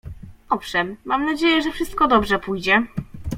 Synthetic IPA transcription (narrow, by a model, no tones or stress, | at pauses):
ɔfʂɛmːamnad͡ʑejɛʐɛfʂɘst̪̚kɔd̪ɔbʐɛpujd͡ʑɛ